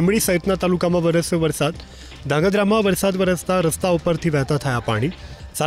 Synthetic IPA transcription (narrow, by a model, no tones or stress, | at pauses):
mɭiːsəjt̪nat̪alukamaʋəɾəsəʋəɾsat̪ | d̪ʱãŋɡəd̪ɾamaʋəɾsad̪ʋəɾəst̪aɾəst̪aopəɾt̪ʰiːʋɛt̪at̪ʰajapa̰ɽ̃iːsa